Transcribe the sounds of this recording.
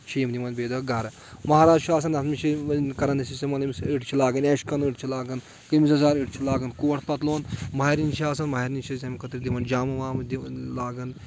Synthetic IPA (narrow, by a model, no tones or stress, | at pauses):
ʃiːmd̪imɐnbeːd̪ɐɡɐɾ | mɐɦaːɾaːd͡ʒʃaːs̬ɐnɐt̪mit͡ʃʰikɐɾɐnd̪isisɐmɐlɐmisiʈt͡ʃʰilaːɡɐneːʃkɐniʈt͡ʃʰilaːɡɐn | kɨmisɐzaːɾiʈt͡ʃʰilaːɡɐnkoːɐʈʰpɐt̪loːnmɐɦiɾint͡ʃʰiaːsɐnmɐɦɐɾinʲt͡ʃʰisɐmikɐt̪ɾid̪imɐnd͡ʒaːmɐʋaːmd̪ilaːɡɐn